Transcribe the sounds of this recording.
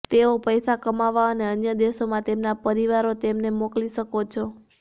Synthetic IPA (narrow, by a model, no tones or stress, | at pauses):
t̪eopəjsakəmaʋaəneənjəd̪eʃomãt̪emnapəɾiʋaɾot̪emnemokliʃəkot͡ʃʰɔ